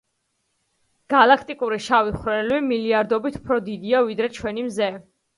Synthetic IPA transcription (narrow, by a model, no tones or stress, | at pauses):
ɡ̥alˠakʰt̪ʼikʼuɾiʃaviχɾɛɛlβimiliaɾd̪ɔbit̪ʰu̥pʰɾɔd̪id̪iavid̪ɾɛt͡ʃʰwɛnimzɛ